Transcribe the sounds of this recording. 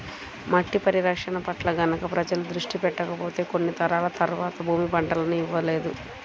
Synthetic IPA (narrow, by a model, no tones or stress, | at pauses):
mɐʈːipɐɾiɾɐkʂɐɳɐpɐʈlɐɡɐnɐkɐpɾɐd͡ʒɐlud̪ɾuʂʈipɛʈːɐkɐpo̞ːt̪e̞ːko̞nːit̪ɐɾaːlɐt̪ɐɾuʋaːt̪ɐbʱuːmibɐɳɖɐlɐnuiʋːɐle̞ːd̪u